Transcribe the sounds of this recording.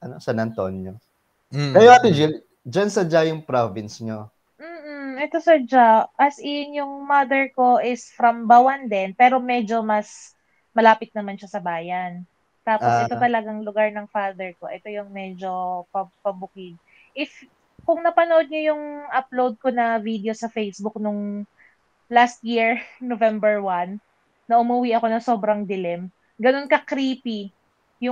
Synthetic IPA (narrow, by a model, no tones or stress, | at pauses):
ʔɐnosɐnɐnt̪onɲo | kɐjoʔɐt̪ɪd͡ʒa | d͡ʒansɐd͡ʒajʊŋpɾovɪnsɲo | m̩ːʔ̩ʔɛt̪o̞sɐd͡ʒaʔɐsʔɪnjʊŋmɐd̪ɛɹko̞ʔɪsfɾɐmbawɐnd̪ɛnpɛːɾo̞mɛd͡ʒo̞mɐs | mɐlaːpɪt̪̚nɐmanʃɐsɐbaːjɐn | t̪aːposʔɛt̪ot̪ɐlɐɡaŋlʊɡaɹnɐŋfaːd̪ɛɹko̞ʔɛt̪o̞jʊŋmɛd͡ʒo̞pɐpɐbʊkɪd̪̚ | ʔɪf | kʊŋnɐpɐnoʔod̪̚ɲojʊŋʔɐplowd̪̚ko̞nɐvid̪ɛo̞sɐfejsbʊk̚nʊŋ | last̪̚jiɹnovɛmbɛɹwanː | ɐʔʊmʊwiʔɐko̞nɐŋso̞bɾɐŋd̪ɪlɛm | ɡɐno̞nkɐkɾiːpi | jʊ